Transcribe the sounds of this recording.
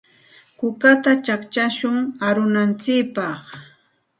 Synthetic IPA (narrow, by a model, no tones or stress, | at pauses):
kʊkat̪at͡ʃakt͡ʃaʃʊŋaɾʊnant͡sɪkpɑχ